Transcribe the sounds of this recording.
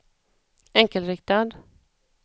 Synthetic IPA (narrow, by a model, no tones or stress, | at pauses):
ɛŋkəlɾɪkt̪ad̪